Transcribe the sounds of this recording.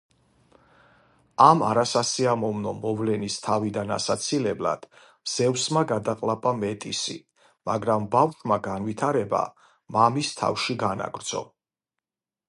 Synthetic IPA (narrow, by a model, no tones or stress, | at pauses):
ama̰ɾasasiamɔvnɔmɔvlɛnist̪ʰavid̪ana̰sat̪sʰilɛbla̰d̪̥ | z̥ɛvsmaɡad̪aqʼlˠapʼamɛt̪ʼisi | ma̰ɡɾambafʃmaɡanvit̪ʰaɾɛba̰ | mamist̪ʰa̰fʃiɡana̰ɡɾd̪z̥ɔ̰